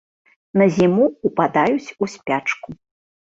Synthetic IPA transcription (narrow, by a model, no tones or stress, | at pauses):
nɐzʲimuːpad̪ajut͡sʲusʲpʲat͡ʂku